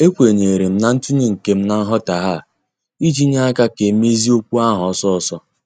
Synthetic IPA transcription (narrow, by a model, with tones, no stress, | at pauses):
e˦kʷe˨ɲe˨ɾe˨m̩˦na˨n̩˦tu˦ɲe˦ŋ̩˨ke˦m̩˦na˨n̩˦ɦɔ˦ta˨ɦa˦˨ | i˦d͡ʒi˦ɲa˦a˦ka˦ke˨me˦zi˦o˦kʷu˦a˦ɦɔ˨˦sɔ˦ɔ˨sɔ˦